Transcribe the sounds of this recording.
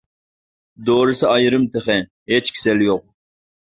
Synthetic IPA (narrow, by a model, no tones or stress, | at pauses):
d̪oɾɨsɨɑjɾɨmt̪ʰeχɛ | ɦet͡ʃkʲʰi̥sɛljoq̚